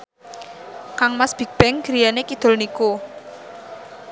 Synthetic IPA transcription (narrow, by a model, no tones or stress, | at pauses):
kaŋmasb̥i̤ɡ̚b̥ɛŋɡ̥ɾijanekid̪̥ʊ̤lniko